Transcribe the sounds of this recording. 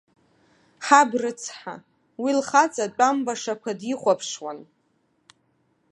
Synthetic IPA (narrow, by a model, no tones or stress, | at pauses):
ħabrɨt͡sʰħa̰ | wilχat͡sʼat͡pʷʼambaʂakʷʰadiχʷapʰʂwan